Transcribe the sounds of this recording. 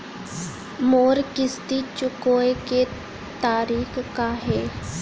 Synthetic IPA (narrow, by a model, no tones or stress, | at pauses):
moːɾkɪst̪it͡ʃʊkoːeke | t̪aːɾiːxkaɦɛː